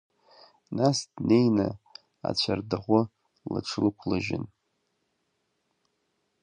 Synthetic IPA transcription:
nasdne̞jna | a̰t͡ɕʷʰardaʁʷʊ | la̰ʈ͡ʂʰɨlkʷʰlaʒɪn

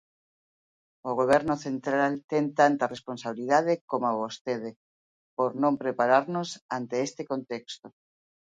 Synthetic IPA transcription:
oɣ̞oβ̞ɛɾnoθent̪ɾalt̪ent̪ant̪aresponsaβiliðað̞ekomoaβost̪eð̞e | poɾnõmpɾepaɾaɾnosant̪eest̪ekont̪ekst̪o

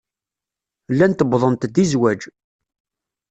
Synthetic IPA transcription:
lːænt̪əbðˤənt̪d̪izwæd͡ʒ

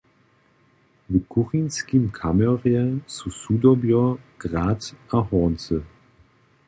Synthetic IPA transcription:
vəkʰʊʁinskimkʰamɛʁjɛt͡susuːdɔbjɔɡ̥ʁaːtɐɐhɔːnt͡sə

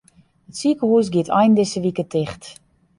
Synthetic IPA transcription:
ətsikəhuəs̬ɡiətʰɔjndɪsəʋikətʰɪxt

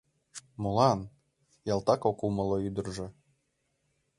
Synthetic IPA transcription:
molˠɑn | jɑlˠt̪ɑkokumɤ̆lˠɤyd̪ə̆rʒɤ̆

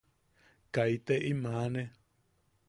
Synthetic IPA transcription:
kait̪eʔimãnẽ

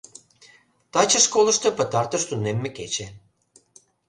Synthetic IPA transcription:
t̪ɑt͡ɕɤ̆ʃkolˠɤ̆ʃt̪ɤ̆pɤ̆t̪ɑrt̪ɤ̆ʃt̪unemːĕket͡ɕe

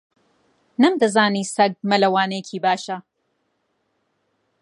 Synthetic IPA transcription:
nɐmd̪ɐzaːniːsɐɡ̚mɐlɐwaːnɐjcʰiːbaːʃɐ

